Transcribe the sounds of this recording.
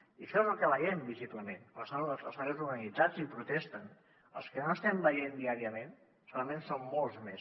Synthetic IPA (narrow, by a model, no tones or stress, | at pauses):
iʃozəlˠkələʒembizit̪uanensaə̰lsaɾɛwzuɾɣənid͡zad͡zipɾut̪ɛst̪ən | ə̰lˠskənoəst̪ɛmbəjend̪iaɾiəmen | soləmẽnsomːolˠzmes